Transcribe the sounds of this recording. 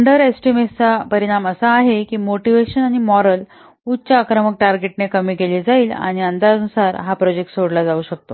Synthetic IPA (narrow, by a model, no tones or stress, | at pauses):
ɳɖəɾesʈimet͡sapəɾiɽ̃aməsaːɦekiːmoʈiʋeɕənaɽ̃imɔɾəl | ut͡ɕaːkɾəmək̚ʈaɾɡeʈnekəmiːkeliːd͡zaiːla̰ɽ̃iənd̪anusaɾɦapɾɔd͡ʑek̚ʈsoɽlad͡zauːɕək̚t̪o